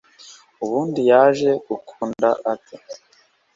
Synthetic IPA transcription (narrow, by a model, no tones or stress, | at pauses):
uβuːndijaːʒe̞ɡukʰuːndaʔatʰe